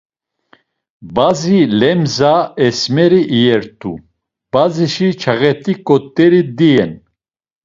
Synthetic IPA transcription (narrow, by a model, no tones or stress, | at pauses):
bazilɛmzaɛsmɛɾiʔːjɛɾt̪ʼṵ | b̥aziʃit͡ʃʰaɣɛt̪ʼikʼɔt̪ʼːɛɾid̪iɛn